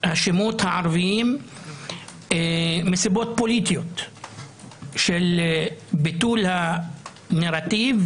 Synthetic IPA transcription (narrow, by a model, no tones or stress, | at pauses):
haʃemut̪haʕɑɾˤvim | esibot̪̚polit̪ijot̪ | ʃel | bit̪uːlha | naɾat̪iv